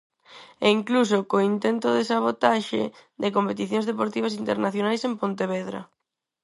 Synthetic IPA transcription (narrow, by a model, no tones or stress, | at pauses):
eiŋklus̬okoint̪ent̪ʊðesaβ̞ot̪aʃɪ̰ðɪkompet̪iθjõŋzðepoɾt̪iβ̞asint̪eɾnaθjonajsempont̪eβɛðɾɐ̰